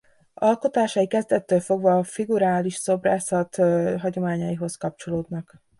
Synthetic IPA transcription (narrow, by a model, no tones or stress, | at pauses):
ɒlko̞t̪aːʃɒikɛzd̪ɛt̪ːøːlfo̞ɡvɒːfiɡuɾaːliʃso̞braːsɒt̪ɦɒɟo̞maːɲɒjiɦo̞skɒp̚t͡ʃo̞loːd̪nɒk